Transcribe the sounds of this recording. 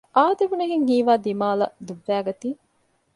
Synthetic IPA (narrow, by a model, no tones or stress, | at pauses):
ʔaːd̪eʋuneɦiŋɦiːʋaːd̪imaːlɐ̰d̪uʋːæːɡɐt̪iː